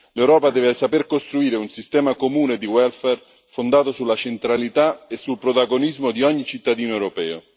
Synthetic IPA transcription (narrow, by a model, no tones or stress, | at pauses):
lewɾɔːpad̪ɛːvɪsaperkost̪ɾuiːɾeunsist̪ɛːmakomuːned̪iwɛlfɛr | fond̪aːt̪osulːat͡ʃent̪ɾalit̪aesːulpɾot̪aɡonizmod̪iɔɲːit͡ʃit̪ːad̪iːnoewɾopɛːo